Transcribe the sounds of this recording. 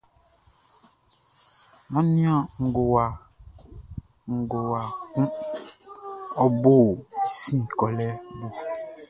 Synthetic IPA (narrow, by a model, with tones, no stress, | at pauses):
mã˦nĩ˦ɔ̃˨ŋ̩˨ɡo˨wa˨ | ŋ̩˨ɡo˨wa˨kũ˦ | ɔ˦bo˦˨sĩ˦˨kɔ˨lɛ˦bo˦